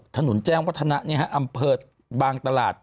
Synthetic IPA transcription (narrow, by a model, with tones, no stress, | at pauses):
t̪ʰa˧nu˩˦nt͡ɕɛː˥˩ŋwa˦˥t̪ʰːa˧na˦˥ʔni˦˥˩ɦa˦˥ʔa˧mpʰɤː˧t̪̚ | baː˧ŋt̪a˧la̰ː˨˩t̪̚